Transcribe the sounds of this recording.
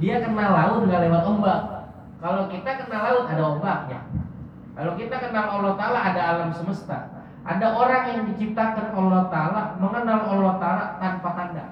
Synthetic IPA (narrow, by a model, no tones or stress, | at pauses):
diakənalaudəŋalewat̪ombak | kalokit̪akənalauadaobak̚ɲa̰ | kalokit̪akənalolat̪aːlaɦadaːlamsəməst̪a̰ | ʔa̰daʔoɾaŋjaŋdit͡ʃip̚t̪akanolat̪alahməŋənalolaht̪alat̪anpak̪anda̰